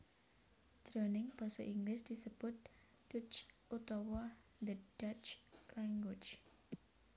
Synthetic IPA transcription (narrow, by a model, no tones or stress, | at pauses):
d̪̥ɾɔnɪŋb̥ɔsɔʔiŋɡlɪsd̪̥isəb̥ʊt̪̚ | d̥ʊt͡ʃ | ut̪ɔwɔ | d̪əd̥at͡ʃlaŋɡwʊt͡ʃ